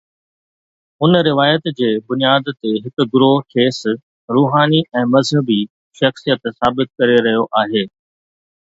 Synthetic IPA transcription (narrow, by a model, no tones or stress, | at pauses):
ʊnɾɪʋaːjət̪d͡ʑeːbʊnijaːd̪t̪eɦɪkʊ̆ɡʊɾoːɦkʰeːs | ɾuːɦaːniʔɛ̃ːmɐzɦəbi | ʃɐxsijət̪saːbɪt̪̚kɐɾeɾɐɦijoʔaːɦeː